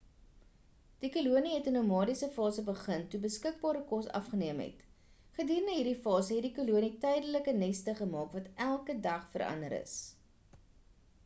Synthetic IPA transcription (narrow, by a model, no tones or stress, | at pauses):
d̥ikuluəniɦɛtənumɑːdisəfɑːsəbəχəntubəskək̚bɑːɾəkɔsɐ̰fχəniəmɦɛ̰t | χədiːɾəndəɦiːrdifɑːsəɦɛtdikuluənitɛjdələkənɛstəχəmɑːkvɐtʔælˠkədɐχfəɾʔɐ̰ndəɾə̰s